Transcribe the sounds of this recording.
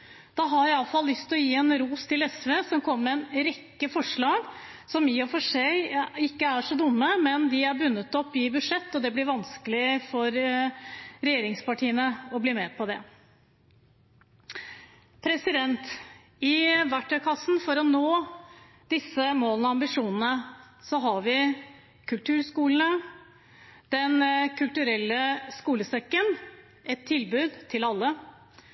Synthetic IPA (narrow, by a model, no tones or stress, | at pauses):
d̪̥ɑɦɑɾjæɪɑlfɑlːlːʏst̪ʰɔjiːɛnɾuːst̪ʰɪlɛsʋeːsɔmkʰɔmːəɛnɾɛkːəfɔʂɭɑːɡsɔmɪːɔfɔʂeɪkːəæʂɔd̪ʊmːəmɛnd̪ɪæɾbʉnːət̪ɔpːɪbʉd̪ʂɛt̪ːɔd̪ɛblɪɾʋɑnskəlɪfɔɾ | ɾɛjeːɾɪŋspɑʈʰiːənəɔbliːmɛpʰɔd̪ɛ̰ | pʰɾɛsɪd̪ɛnt̪ | ɪʋæʈːœkʰɑsnfɔɾɔnoː | d̪̥ɪsːəmoːlənɔɑmbɪʂuːnənə | sɔɦɑɾʋɪ | kʰʉlt̪ʰʉːɾskuːlən̩ə | d̪̥ɛnkʰʉlt̪ʉɾɛlːəskuːləsɛkːən | ɛt̪ʰːɪlbʉːd̪t̪ʰɪlɑlːə